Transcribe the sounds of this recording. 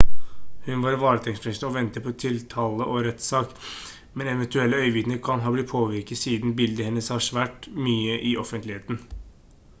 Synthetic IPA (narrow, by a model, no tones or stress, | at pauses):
hʉnʋɑːɾʋɑːɾət̪ʰɛŋsfɾɛst̪əɔʋɛnt̪əpʰɔt̪ʰɪlt̪ʰɑːləʔɔɾɛt̪sɑːk | mɛnɛʋɛnt̪ʉɛlːəœʏʋɪd̪nəɾkʰɑnɦɑːblɪpʰoːʋɪɾkət̪siːd̪nbɪld̪əhɛnːəshɑʂʋæːʈmyːəʔɪʔɔfənt̪lɪheːt̪n̩